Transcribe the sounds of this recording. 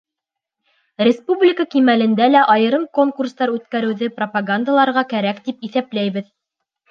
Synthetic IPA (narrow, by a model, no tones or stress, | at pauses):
rʲɪspublʲɪkəkimælɘ̆nd̪ælæʔɑjɤ̆ɾɤmko̞ŋkurst̪ɑɾʉt̪kæɾɘ̆wðɘpropaɡand̪alˠɑɾʁɑkæɾækt̪ipiθæplæjβɘð